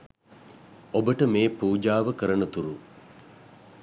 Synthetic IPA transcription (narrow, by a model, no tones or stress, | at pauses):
obəʈəmeːpuːd͡ʒaːʋəkəɾɐnət̪uɾu